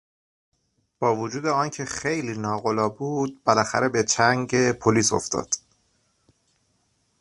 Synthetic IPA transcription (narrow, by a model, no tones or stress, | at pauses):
b̥ɒːvod͡ʒuːd̪e̞ɒːncʰe̞xejliːnɒːɣolɒːbuːd̪̚belæxæ̰ɾe̞be̞t͡ʃʰæŋɟepʰoliːso̞̰ft̪ɒ̰ːd̪̥